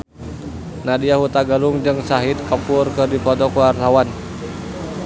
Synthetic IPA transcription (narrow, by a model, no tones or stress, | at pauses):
nadiaɦut̪aɡaluŋd͡ʒɨŋsaɦit̪̚kapʊrkədipɔt̪ɔkuart̪awan